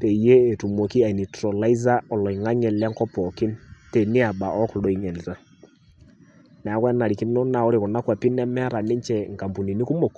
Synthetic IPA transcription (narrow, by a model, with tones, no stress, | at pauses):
pe˨je˦e˨tu˨mo˨ki˦a˨i˨ni˨tɾɔ˨la˦i˦za˦ɔ˨lɔ˨i˨ŋa˦ɲɛ˨lɛ˦ŋkɔ˦pɔ˨kɪ˦nte˨nɪ˦a˨ɓa˨ʔɔ˦klo˨i˨ŋɛ˨lta˦ | nɛ˨a˨˦kwɛ˦na˨ɾi˨kɪ˦nɔ˦na˨ɔ˦ɾɪ˨kʊ˨na˦kwa˨pi˦nɛ˦mɛ˦ɾa˨nɪ˦ɲt͡ʃɛ˨ŋka˨mpu˨ni˨ni˦ku˦mɔ˨k